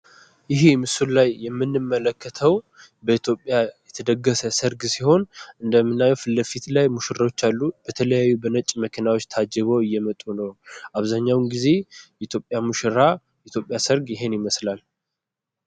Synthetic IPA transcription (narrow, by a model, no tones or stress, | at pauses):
jɪɦemɨsullajːɛmːɨnːɨmːələkʰːət̪ʰəw | bəit̪ʰjo̞pʼjajɛt̪ʰəd̪əɡːəsəsəɾɡsiho̞nɨnd̪əmːɨnajɛfləfit̪lajmuʃɨɾawot͡ʃːalːub̥ət̪ʰələjajːubənət͡ʃʼməkʰinawot͡ʃːt̪ʰad͡ʒɛβowɨjːɛmət̪ʼunəwʔaβzaɲːawnɡize̞jɛit̪ʰjo̞pʼːjamuʃɾa | jɛʔit̪jo̞pʼjasəɾɡɪɦe̞njɪməslal